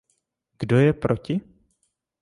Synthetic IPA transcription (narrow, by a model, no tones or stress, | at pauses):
ɡ̥dojɛpɾʔocɪ